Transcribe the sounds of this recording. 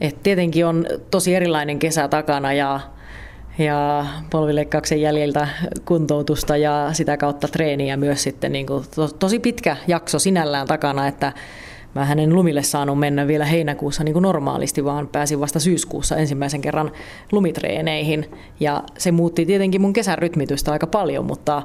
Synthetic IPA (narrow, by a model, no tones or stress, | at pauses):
ʔet̪t̪iet̪eŋkiont̪osieɾilːˑɑineŋkesæt̪ɑkɑnɑjɑ | jɑpolʋileikːɑuksejjæljelt̪ækunt̪out̪ust̪ɑjɑsit̪ækɑut̪ːɑt̪reːniæmyøssit̪ːenniːŋkut̪ot̪osipit̪kæjɑksosinælːæːnt̪ɑkɑnɑet̪ːæ | mæːhænenlumilːessɑːnummenːæʋʋielæɦeinækuːsːɑniːŋkunormɑ̰ːlḭst̪iʋɑːnpæːsiʋʋɑst̪ɑsyːskṵːsːɑensimːæiseŋkerːɑn | lumit̪rḛːneihin | jɑsemuːt̪ːit̪iet̪eŋkimuŋkesærryt̪mit̪yst̪æɑikɑpɑljo̰mṵt̪ːɑ